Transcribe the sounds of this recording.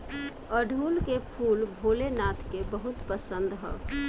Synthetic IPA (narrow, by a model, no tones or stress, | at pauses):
əɖʱuːlkepʰuːlbʱoːlenat̪ʰkebəɦut̪pəsənd̪ɦɛ̰